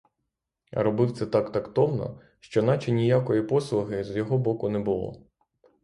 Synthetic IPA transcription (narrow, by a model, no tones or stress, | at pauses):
ɾɔbɪft̪sɛt̪ɑkt̪ɐkt̪ɔwnɔ̰ | ʃt͡ʃɔnɑt͡ʃɪnʲijakɔjipɔslˠʊɦɪzjɔɦɔbɔkʊnɛbʊlˠɔ̰